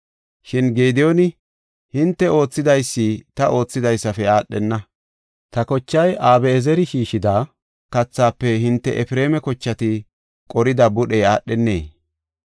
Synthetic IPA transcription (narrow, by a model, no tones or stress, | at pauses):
ʃɪnɡeːd̪ɪjonɪ | hɪnt̪ːɛo̞ːt͡sːɪd̪ɐjsːiːt̪ɐʔo̞ːt͡sːɪd̪ɐjsːɐfɛaːɗːɛnːɐ | t̪ɐkɔt͡ʃːɐjʔaːbɛːzɛɾɪʃiːʃɪd̪aː | kɐt͡sːaːpːɛɦɪnt̪ːɛ̰ʔɛfɪɾe̞ːmɛkɔt͡ʃːɐt̪ɪ | kʼɔɾɪd̪ɐbʊɗɛjaːɗɛnːeː